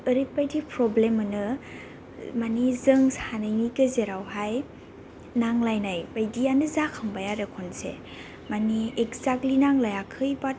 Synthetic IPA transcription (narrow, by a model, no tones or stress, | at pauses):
ɯɾɯpajdipʰɾɔblemɯnɯ | manizɯŋsanɯjnikezeɾawɦaj | naŋlajnajbajdijanɯzakʰaŋbajaɾekʰɔnsḛ | maniekzaklinaŋlajakʰɯjbat̚